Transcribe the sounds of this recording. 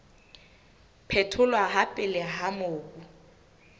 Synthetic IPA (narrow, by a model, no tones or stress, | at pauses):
pʰɛtʰʊlwaɦapʼɪlɪɦamʊːkʼu